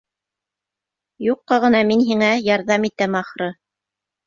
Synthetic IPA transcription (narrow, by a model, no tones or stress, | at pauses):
juqːɑʁɤ̆nɑminɦiŋæjɑɾðɑmit̪æmɑχɾɤ